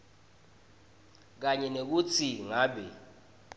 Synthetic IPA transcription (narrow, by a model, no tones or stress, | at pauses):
k̬aɲɛnek̬ut͡sʰiŋaːɓɛ